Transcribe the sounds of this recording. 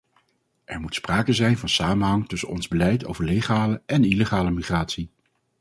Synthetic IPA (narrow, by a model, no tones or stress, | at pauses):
ʔɛɹmutspraːkəzɛjnvɑnsaːmənɦɑŋtɵsənɔ̰nzbəlɛjtʰo̰wvəɹlejχaːləʔɛniləχaːləmiχraːtsi